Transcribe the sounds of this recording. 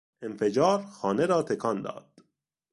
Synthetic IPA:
e̞mfe̞d͡ʒɒːɾxɒːneɾɒːt̪ʰe̞kʰɒnd̪ɒ̰ːd̪̥

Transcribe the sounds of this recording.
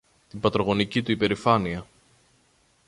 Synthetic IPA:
t̪ibɐt̪ɾo̞ɣo̞nicit̪uipe̞ɾifɐniɐ

